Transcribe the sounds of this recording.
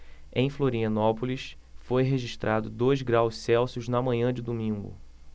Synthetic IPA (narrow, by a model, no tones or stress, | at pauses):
ẽj̃floɾiɐ̃nɔpʊliʃ | fojɦeʒiʃt̪ɾʔad̪ʊd̪ojzɡɾawʃsɛwsʊznɐmɐ̃ɲɐ̃d͡ʒɪd̪omĩŋɡʊ̰